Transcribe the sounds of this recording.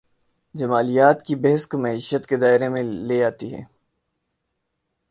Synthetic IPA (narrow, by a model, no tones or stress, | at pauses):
d͡ʒɐmaːlijaːt̪kibɐɦɪskmɐiːʃət̪ked̪aːɪɾemẽleaːt̪iɦɛ̰ː